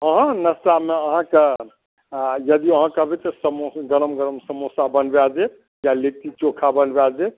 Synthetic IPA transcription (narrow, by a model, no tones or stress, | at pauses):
əɦə̃nəstameəɦãke | jəd̪iəɦãkəbet̪ɔsəmoɡəɾəmɡəɾəmsəmosabənbad͡ʒe | jalet̪it͡ʃokʰabənbead͡ʒe